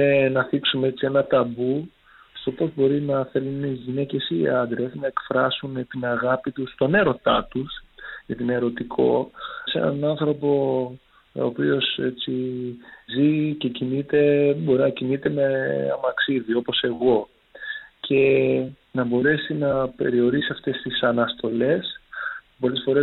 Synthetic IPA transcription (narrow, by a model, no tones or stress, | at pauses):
enɐθiksumee̞t͡sie̞nɐt̪ɐbu | st̪o̞po̞zbo̞ɾinɐθe̞lunnizʝine̞ce̞sḭːɐnd̪ɾe̞snɐe̞kfɾɐsunet̪inɐɣɐpit̪ust̪o̞ne̞ɾo̞t̪ɐt̪usʝɐt̪ineɾo̞t̪ikʰo̞̰se̞̰nɐ̰nɐnθɾo̞po̞ | o̰ːpio̞set͡si | zice̞cinit̪e̞bo̞ɾinɐcinit̪e̞me̞ɐ̰mɐksiðio̞po̞se̞ɣo̞ | cʰe̞nɐbo̞ɾe̞sinɐpe̞̰ɾio̞ɾisiɐft̪e̞st̪isɐnɐst̪o̞le̞s | po̞le̞sfo̞ɾe